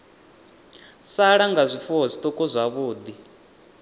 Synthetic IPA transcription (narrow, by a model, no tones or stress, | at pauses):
saɺaŋɡazʷifuɦɔzʷit̪ʼɔkʼɔzʷaβuːd̪i